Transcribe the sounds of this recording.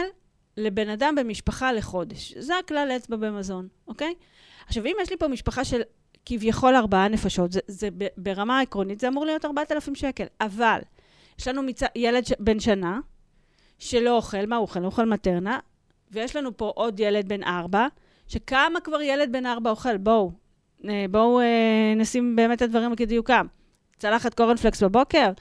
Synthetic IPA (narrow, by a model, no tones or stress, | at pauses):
l | le̞be̞nadambe̞miʃpaχale̞χo̞de̞ʃzeaklalet͡sbabe̞mazo̞n | oke̞j | aχʃavimjeʃlipo̞miʃpaχaʃe̞l | kivjaχo̞laʁbaane̞faʃo̞tzezebebe̞ʁamaekʁo̞nitzeamuʁlijo̞taʁbaatalafimʃeke̞laval | jeʃlanumit͡sajele̞dʃbe̞nʃana | ʃe̞lo̞oχe̞lmauoχelmoχelmate̞ʁna | vejeʃlanupo̞ʔo̞dje̞le̞d̚be̞nʔaʁba | ʃe̞kamakvaʁjele̞d̚be̞naʁbaoχe̞lbo̞w | ebo̞wenasimbe̞ːme̞tadvaʁimekidijukam | t͡salaχatkoʁenfleksbabo̞ke̞ʁ